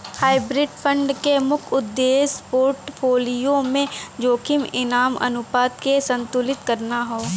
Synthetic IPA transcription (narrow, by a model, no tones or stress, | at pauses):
haːɪbɾɪɖpʰə̃ɳɖkemʊkʰʊd̪ːeːspoːɾʈpʰoːlijõmẽd͡ʒoːkʰɪmɪnaːmɐ̰nʊpaːt̪kesə̃nt̪ʊlɪt̪kɐɾnaɦoː